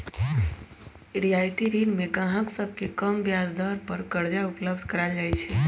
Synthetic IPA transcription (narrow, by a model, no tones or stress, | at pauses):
ɾijajt̪iɾinmẽkaɦãksəb̚ʱkekəmbjazd̪əɾpəɾkəɾd͡ʒaupləbd̪ʱkəɾad͡ʒajt͡ʃʰɛ